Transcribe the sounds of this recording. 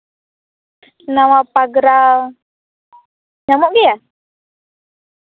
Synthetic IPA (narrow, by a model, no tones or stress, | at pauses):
nawapaɡɾa | ɲamuʔɡija